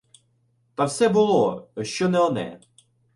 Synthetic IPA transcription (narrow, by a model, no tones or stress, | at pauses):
t̪ɐwsɛbʊlˠɔʃt͡ʃɔnɛɔnɛ̰